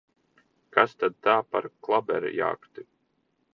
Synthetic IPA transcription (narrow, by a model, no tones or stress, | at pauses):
kast̪ad̪̚t̪aːpaɾklˠabɛ̰ɾḭja̰ːkt̪i